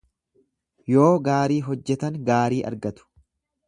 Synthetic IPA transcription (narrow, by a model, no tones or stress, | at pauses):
jo̞ːɡaːɾiːɦɔd͡ʒːɛt̪ɐŋɡaːɾiːʔɐ̰ɾɡɐt̪ʊ̥